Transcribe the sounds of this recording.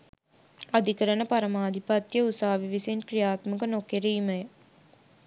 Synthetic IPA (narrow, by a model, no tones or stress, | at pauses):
ad̪ʱikəɾənəpaɾɐmaːd̪ʱipɐt̪jəusaːʋiʋisenkɾijaːt̪məkənokeɾiimɐjə